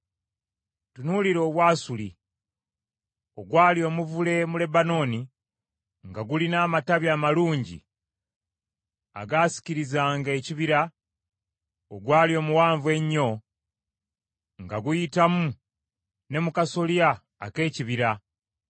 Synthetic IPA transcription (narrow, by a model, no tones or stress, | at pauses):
tunuliɾo̞ːβwaːsuli | oɡwaːljo̞ːmuvule̞mule̞bano̞ːni | ŋɡaɡulinaːmataβjaːmaluːɲɟḭ | a̰ɡaːsi̥ciɾizaːŋɡe̞ːciβiɾa | oɡwaːlio̞ːmuwaːɱvwe̞ɲːo̞ | ŋɡaɡujitamu | ne̞mukaso̞lia̰ː | ke̞ːciβiɾa